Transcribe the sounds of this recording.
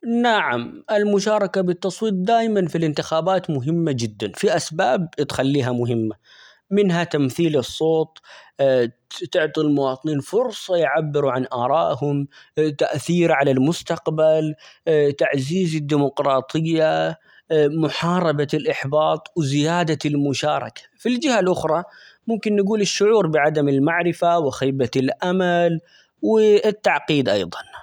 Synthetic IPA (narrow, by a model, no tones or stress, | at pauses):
naʕamʔɪlmʊʃaːɾˤɑkabɪt̪ːɑsˤwiːt̪̚ˤd̪aːjmanfilɪnt̪ɪxaːbaːt̪mʊɦɪmːad͡ʒɪd̪ːanfiʔasbaːb̚t̪xalːiːɦamʊɦɪmːa | mɪnɦat̪amθiːlɨsˤːoːt̪̚ˤː | t̪ɪʕt̪ˤilmʊwɑːt̪ˤɨniːnfʊɾsˤɑjʕabːɪɾuʕanʔɑːɾˤɑːʔhʊmt̪aʔθiːɾʕalalmʊst̪aqbalt̪aʕziːzɪd̪ːiːmʊqɾˤɑːt̪ˤɨjːa | mʊħɑːɾˤɑbaɪlʔɪħbɑːt̪ˤwzɪjaːd̪almʊʃaːɾˤɑ̰kḁfild͡ʒɪhalʔʊxɾˤɑ | mʊmkɪnːɪɡuːlɪʃːʊʕuːɾbɪʕad̪amɪlmaʕɾɪfawɪxaːbaɪlʔamal | wɪt̪ːaʕqiːd̪ʔɑ̰jðˤɑn